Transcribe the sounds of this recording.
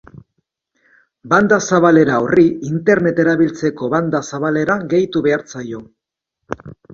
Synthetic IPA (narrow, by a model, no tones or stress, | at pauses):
band̪asaβale̞ɾaoriint̪e̞ɾne̞t̪e̞ɾaβilt͡se̞ko̞βand̪asaβale̞ɾaɡe̞jt̪uβe̞aɾt͡sajo̞